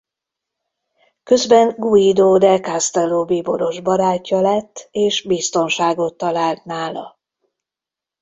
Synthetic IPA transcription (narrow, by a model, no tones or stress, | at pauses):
kø̞zbɛŋɡuid̪oːd̪ɛkast̪ɛloːbibo̞ɾo̞ʒbɒɾaːcːɒlɛt̪ːeːʃbist̪o̞nʃaːɡo̞t̪ːɒlaːlt̪naːlɒ̰